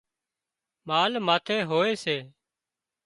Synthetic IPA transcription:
maːlmaːt̪ʰeːɦoːeːseː

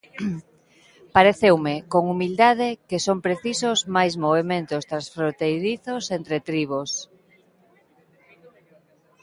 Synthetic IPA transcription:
paɾeθewmekoŋumild̪að̞ekesompɾeθisozmajzmoβemẽnt̪ost̪ɾãnsfɾont̪ejɾiθosent̪ɾet̪ɾiβos

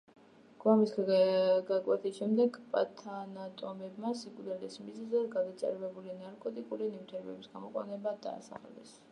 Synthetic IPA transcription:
ɡ̥wamis | ɡakʼwɛt̪ʰisʃɛmd̪ɛɡpʼa̰t̪ʰanat̪ʼɔmɛbmasikʼud̪ɛlɛsmizɛzɛɡad̪at̪sʼɛ̰ɾvɛbulinaɾkʼɔt̪ʼikʼulinimt̪ʰɛɾɛbɛbisɡamɔqʼwa̰nɛbad̪a̰ːsa̰χlɛ̰s

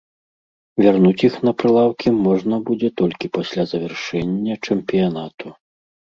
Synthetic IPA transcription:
vʲarnut͡sʲixnɐpɾɨlˠawkʲimɔʐnɐbud͡zʲɛt̪ɔlʲkʲipasʲlʲazɐvʲɛrʂɛnʲːɐt͡ʂɛmpʲijanat̪u

